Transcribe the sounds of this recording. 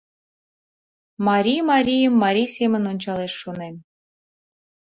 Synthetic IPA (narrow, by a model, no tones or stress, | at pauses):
mɑɾʲijmɑɾʲijəmːɑɾʲisʲemə̆nonʲt͡ɕɑleʃːonem